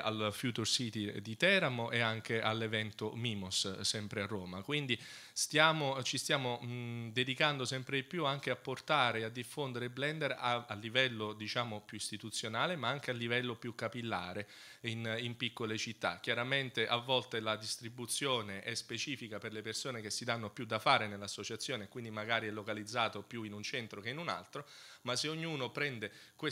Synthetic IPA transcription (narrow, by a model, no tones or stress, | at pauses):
a̰lfjuːt̪ursit̪id̪it̪ɛːɾamoʔeaŋk̟eʔalːevɛnt̪omiːmossɛmpɾearːoːmakwind̪i | st̪jaːmot͡ʃist̪jaːmod̪ed̪ikand̪osɛmpɾed̪ipːjuaŋk̟eapːort̪aːɾead̪ːifːond̪eɾebːlɛnd̪eɾaalːivɛlːod̪it͡ʃaːmopjuist̪it̪ut̪sːjonaːlemaaŋk̟ealːivɛlːopjukːapilːa̰ːɾe | inimpikːolet͡ʃit̪ːa̰k̟ːjaɾament̪eʔavːɔlt̪elad̪ist̪ɾibut̪sːjoːneʔɛspet͡ʃiːfikaperlepersoːnek̟esːid̪anːopjud̪ːafaːɾenelːasːot͡ʃat̪sːjoːnekwind̪imaɡaːɾiɛlːokalid̪zːaːt̪opjuinunt͡ʃɛnt̪ɾok̟einuna̰lt̪ɾomasːeoɲːuːnopɾɛnd̪e | kwe